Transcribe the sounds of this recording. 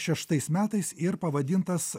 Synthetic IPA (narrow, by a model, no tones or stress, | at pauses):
ʃʲɛʃt̪ɐɪsmʲæːt̪ɐɪsɪɾpɐʋɐd̪ʲɪnt̪ɐs